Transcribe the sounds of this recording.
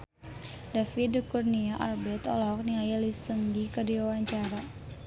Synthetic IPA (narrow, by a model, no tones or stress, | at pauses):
dafidəkurniaʔarbɛt̪ɔlɔɦɔk̚niajalisəŋdikədiwawaɲt͡ʃaɾa